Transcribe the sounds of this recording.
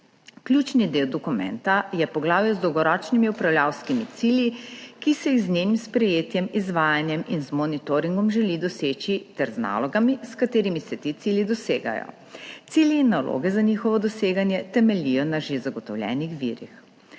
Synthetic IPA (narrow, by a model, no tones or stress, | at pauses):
klʲjuːt͡ʃnid̪eːwd̪ɔkumɛ̰nt̪ajɛpɔɡlaːwjɛzd̪ɔwɡɔɾɔːt͡ʃnimiupɾawlʲjawskimit̪silʲjikisɛjiɣznenimspɾɛjeːt̪jɛmizʋaːjanjɛminzmɔnit̪oːɾiŋɡɔmʒɛlid̪ɔseːt͡ʃit̪ɛɾzna̰ːlɔɡamiskat̪eːɾimisɛt̪iːt̪siːlʲid̪ɔseːɡa̰jɔ̰ | t̪siljiːnːalʔo̰ːɡɛzaɲiːxɔʋɔd̪ɔseːɡanjɛt̪ɛmɛlʲijɔnaʒezaɡɔt̪ɔwlʲjɛ̰ːnixʋḭːɾḭx